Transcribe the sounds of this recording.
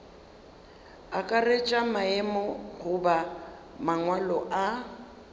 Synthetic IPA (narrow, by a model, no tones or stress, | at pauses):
akʼaret͡ʃʼamaɛmɔɣʊba | maŋwalɔʔa